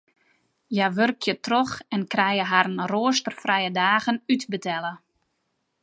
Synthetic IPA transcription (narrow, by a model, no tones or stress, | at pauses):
jaʋørkʰjətrɔxɛnkrɛjəɦaɾnroəstərfrɛjədaːɣənytbətʰɛlə